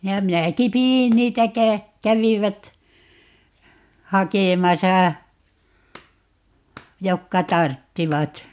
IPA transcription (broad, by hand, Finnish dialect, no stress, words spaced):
jɑ minæki piin niːtæ kæ kæʋiʋæt hɑkemɑsɑ jokːɑ tɑrtːiʋɑt